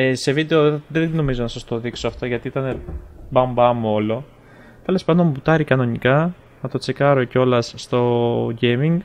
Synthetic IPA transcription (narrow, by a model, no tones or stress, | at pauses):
ese̞vid̪e̞oðeno̞mizo̞nɐsɐst̪o̞ðiksoɐft̪oʝɐt̪iit̪ɐne̞bɐmbɐmuo̞lo̞ | t̪e̞le̞spɐnd̪o̞mbut̪ɐɾikɐno̞nikɐ | nɐt̪o̞t͡se̞kɐɾoceo̞lɐsːt̪o̞ʝemiŋɡ